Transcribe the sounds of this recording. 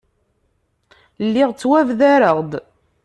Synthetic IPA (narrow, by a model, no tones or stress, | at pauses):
lːiʁt͡sːwævðæɾəʁd̪